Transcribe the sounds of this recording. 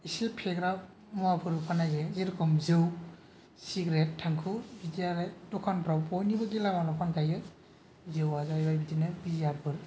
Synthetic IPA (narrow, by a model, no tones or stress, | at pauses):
isipʰeɡɾaw̚ | mɔapʰɯɾɯpʰanazeziɾkʰɔmzɯw | siɡɾetːʰaŋkʰubidiaɾetɔkʰanbɾawpɔjnibaɡilamalɔpʰankʰajɯ | zɯwazajbajbidinɯbiziaɾpʰɯɾ